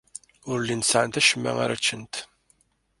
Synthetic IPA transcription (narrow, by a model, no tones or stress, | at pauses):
ʊɾlinsaʕant̪æʃəmːæ̰ŋæ̰ɾæt͡ʃːənt̪